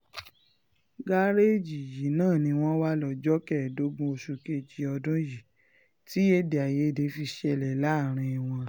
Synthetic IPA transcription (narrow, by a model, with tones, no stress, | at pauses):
ɡa˦ɾe˦d͡ʒi˨ji˨˦nãː˦˨nĩ˧w̃ɔ̃˦wa˦lɔ˨d͡ʒɔ˦kɛ˦˨do˦ɡ͡bũ˦o˧ʃu˧ke˧d͡ʒi˨˦ɔ˧dũ˦ji˨ | ti˨˦e˦de˨a˨je˨˦˨de˧fi˧ʃɛ˧lɛ˨la˨˦˨ɾ̃ĩ˧i˨w̃ɔ̃˧